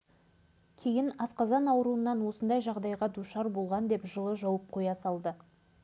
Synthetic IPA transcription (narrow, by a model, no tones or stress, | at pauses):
kʲʰe̞jɪnɑsqɑzɑnɑwɾuənːɑnwo̞sənd̪ɑjʒɑʁd̪ɑjʁɑd̪uʃɑɾbo̞lˠʁɑnd̪e̞pʒəlˠəʒɑwəp̚qʰojɑsɑlˠd̪ə